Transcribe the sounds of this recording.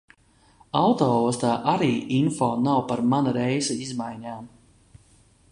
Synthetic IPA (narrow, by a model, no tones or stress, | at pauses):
awt̪ɔːɔst̪aːʔaɾiːʔinfɔːnawpaɾmanaɾɛjzɛizmajɲaːm